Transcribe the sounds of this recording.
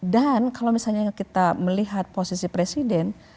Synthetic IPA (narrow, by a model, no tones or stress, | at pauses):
dankalawmisalɲakit̪aməliɦat̪̚posisipɾesidɛn